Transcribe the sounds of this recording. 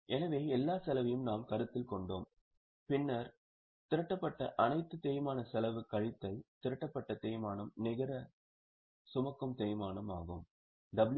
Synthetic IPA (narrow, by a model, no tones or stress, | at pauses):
ʔɛnɐʋeːɛlːaːsɛlɐʋɐjɯmnaːmkɐɾɯt̪ːɪlkɔɳɖo̰ːm | pɪnːɐɾ | t̪ɪɾɐʈːɐpːɐʈːɐʔɐnɐɪt̪ːɯt̪ɛːjmaːnɐsɛlɐʋɯkːɐɻɪt̪ːɐɪt̪ɪɾɐʈːɐpːɐʈːɐt̪eːjmaːnɐmnɪɣɐɾɐ | sʊmɐkːɯmt̪ɛːjmaːnɐma̰ːɣɯm | d̪ɐbl